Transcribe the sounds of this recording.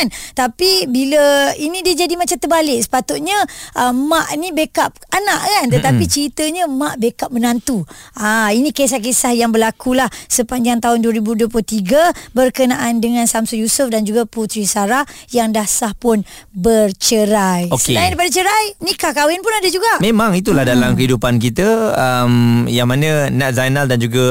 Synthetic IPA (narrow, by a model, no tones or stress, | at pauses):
nt̪apibiləinĩdiəd͡ʒadimat͡ʃamt̪ərbalɪk̚sə̥pat̪ʊt̪̚ɲəʔəmaʔnĩbekap̚anaʔkant̪ət̪apit͡ʃəɾit̪əɲə̃maʔbekap̚mənant̪uainĩkes̬ahkesahjaŋbəlakulahsəpaɲd͡ʒaŋt̪aɦʊnduəɾibuduəp̬ulut̪iɡabərkənaʔandəŋãnsamsujusʊfdand͡ʒuɡaput̪ɾisaɾa | jaŋdahsahpʊn | bərt͡ʃəɾajoksəenandapadat͡ʃəɾajnikahkawɪnpʊnadad͡ʒuɡaʔmẽmaŋit̪̬ulahdalamkəɦidupank̬it̪əəmjaŋmanə̃naʔzajnaldand͡ʒuɡa